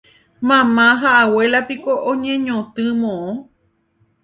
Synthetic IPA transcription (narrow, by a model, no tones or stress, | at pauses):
mãmãɦaʔawelapikoʔõɲẽɲõt̪ɨmõʔõ